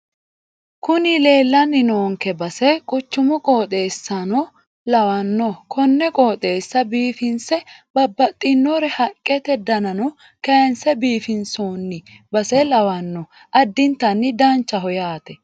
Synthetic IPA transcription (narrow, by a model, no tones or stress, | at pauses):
kʊnɪle̞ːlːɐnːɪnoːŋkɛbɐsɛkʼʊt͡ʃːʊmʊkʼoːt̪ʼeːsːɐnɔ | lɐwɐnːɔkʰɔnːɛkʼoːt̪ʼe̞ːsːɐbiːfɪnsɛbɐbːɐt̪ʼːɪnːɔɾɛhɐkʼːɛt̪ɛd̪ɐnɐnɔ | kɐnsɛbiːfɪnsoːnːɪ | bɐsɛlɐwɐnːɔ | ʔɐd̪ːɪnt̪ːɐnːɪd̪ɐnt͡ʃːɐɦɔjaːt̪ɛ